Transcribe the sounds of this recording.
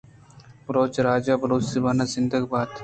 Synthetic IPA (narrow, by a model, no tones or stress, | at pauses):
pɾoːt͡ʃɾaːd͡ʒaːbɐɾoːt͡ʃsibaːnazɪnd̪əɡbaːt̪